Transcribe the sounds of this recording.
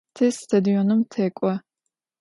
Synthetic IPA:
t̪ʰɛsːt̪ʰɐd̪iɔnumt̪ʰɛkʷʼɐ

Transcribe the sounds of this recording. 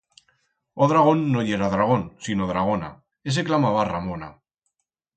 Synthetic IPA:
oðɾaɣ̞o̞nːoʎeɾaðɾaɣ̞o̞nsinoðɾaɣ̞ona̰ | es̬eklamaβaramõna

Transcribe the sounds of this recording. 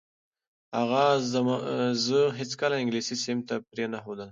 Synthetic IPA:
haɣa | zəɦɪt͡skalaɪŋɡlisisɪmt̪apɾenaxod̪əl

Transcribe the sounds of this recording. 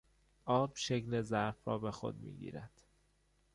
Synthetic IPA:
ʔɒːb̥ʃecnezæɾfɾɒːbe̞xo̰d̪mḭːɟḭːɾæd̪̥

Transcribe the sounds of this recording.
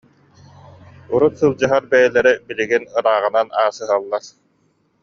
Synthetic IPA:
uɾut̪sɯlˠd͡ʑɯɦaɾbɛjɛlɛɾɛbiliɡinɯɾaːʁɯ̆nanaːsɯɦalˠːaɾ

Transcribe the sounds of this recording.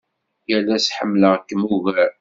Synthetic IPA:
jælːæsħəmːləʁkːəmuɣæɾ

